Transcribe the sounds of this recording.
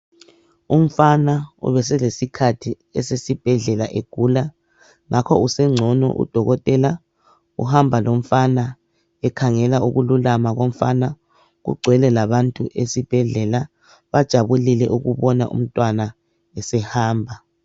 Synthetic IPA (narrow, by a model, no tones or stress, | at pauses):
um̩fanaṵβɛsɛlesikʰatʰi | ɛsesib̥ʱɛɮɛlaʔeɡ̥ʱuːla | ŋakʰɔusɛŋ͡ǀʱɔnɔ̰ʔṵd̥ʱɔɣɔtʼɛla | ṵhambʱalom̩fana | ɛkʰaŋɛlauɣululamaɣom̩fa̰na | ɣṵɡ͡ǀʱwɛlɛlaβantʼuʔesib̥ʱɛɮɛla | βad̥ʒ̥ʱaβulilɛʔuɣuβɔna̰ʔṵm̩tʼwana | ɛsɛhaːmbʱa